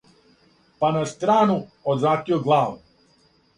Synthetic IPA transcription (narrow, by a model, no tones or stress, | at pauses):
panast̪ɾaːnuozɾaːt̪ioɡlˠaːʋu